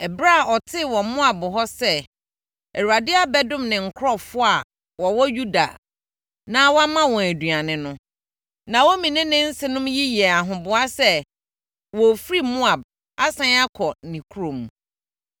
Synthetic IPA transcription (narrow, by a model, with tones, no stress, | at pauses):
ɛ˨bɾa˦˨ɔ˨tʰɪ˦wɔ̃˨mʊ̃˦a˨bʊ˨ɦɔ˦sɛ˦ | ɛ˨ɾu˨a˨dɪ˦a˨bɛ˦dʊ̃˦˨mnɪ̃˨ŋ̩˨kʰʊ˦ɾɔ˦˨fʊ˦a˨ | wɔ˨wɔ˦ju˦da̰˨ | nã˦wɔ˦a˦mã˦wɔ̃˨æ˨dɥa˨nɪ̃˨nʊ̃˦ | nã˨wɔ˦mĩ˨nɪ̃˦nɪ̃˦n̩˦sɪ˦nʊ̃˦mji˦jɛ˨a˨ɦʊ̃˨bʊ˨a˦sɛ˦ | wɔ˨fɾi˦mʊ̃˦a˨b̚ | a˦sã˦n˦a˦kʰɔ˨nĩ˨kʰu˦ɾõ˨m˨